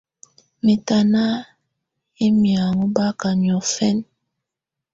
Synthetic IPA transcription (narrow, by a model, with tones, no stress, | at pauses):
mi˨ta˨na˦ | i˦mja˨ŋu˦ba˦ka˨ɲ˨ɔ˨fɛ˦n